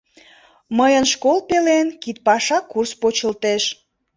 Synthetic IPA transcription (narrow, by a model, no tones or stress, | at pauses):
məjənʃkolpelenkit̪̚pɑʃɑkurspot͡ɕəlt̪eʃ